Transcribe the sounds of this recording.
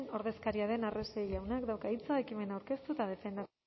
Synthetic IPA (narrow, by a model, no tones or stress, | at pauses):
no̞ɾðe̞skaɾiaðe̞naresejʎawnakd̪awkait͡saekime̞nawɾke̞st̪ut̪að̞e̞fe̞nd̪a